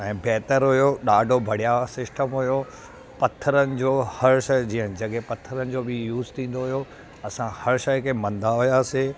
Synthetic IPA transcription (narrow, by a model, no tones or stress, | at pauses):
ɛ̃ːbɛɦt̪əɾɦʊjoɗaːɖʱobʱɐɽ̤ijasɪsʈəmɦʊjo | pɐt̪ʰːəɾənɪ̆d͡ʑoːhɐɾʃɐd͡ʑiːə̃nd͡ʑɐɠepɐt̪ʰːəɾənɪ̆d͡ʑobɪjuːzt̪ʰĩːn̆d̪oɦujo | ɐsãhɐɾʃɐjkʰemɐ̃nd̪ʱaɦʊjaːse